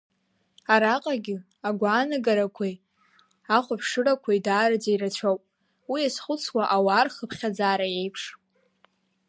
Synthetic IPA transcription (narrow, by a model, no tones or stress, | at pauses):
aɾaqʼaɡʲɪ | aɡʷaːnɨɡaɾakʷʰej | aχʷapʰʂɨrakʷʰajdaːɾɨd͡zaiɾat͡ɕʷʰawpʼ | wiasχʷʊt͡sʰwaʔawaːrχəpʰχʲad͡zaːɾaje̞jpʰʂ